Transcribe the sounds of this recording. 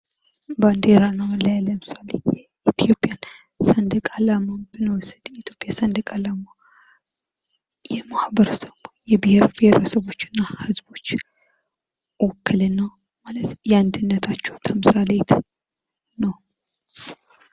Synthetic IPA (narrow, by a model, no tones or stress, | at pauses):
band̪eɾanəwlajalːəmɨsalḛ | it̪ʰijo̞pʼjansənd̪ɨkʼalamabɨnəwsɨd̪it̪ʰjo̞pʼjasənd̪ɨkʼalama | jɛmahbəɾəsəβjɛbɨheɾbɪheɾəsəβo̞t͡ʃːɪnːahɨzbo̞t͡ʃː | wɔkʰːɨlɨnːəwmalət̪jɛand̪ɨnːət̪ʰat͡ʃːɛwt̪ʰəmɨsalet̪ | nəw